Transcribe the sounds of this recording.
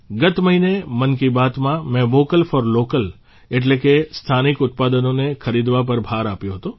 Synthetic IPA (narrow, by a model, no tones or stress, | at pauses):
ɡət̪məɦinemənkibat̪mãmɛ̃ʋokəlfɔɾlokəl | eʈlekest̪ʰanikʊt̪pad̪ənonekʰəɾid̪ʋap̬əɾbʱaɾapjõɦət̪o